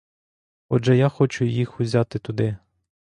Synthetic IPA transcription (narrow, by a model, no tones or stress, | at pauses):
ɔʒɛjaxɔt͡ʃʊjixʊzʲat̪ɪt̪ʊd̪ɪ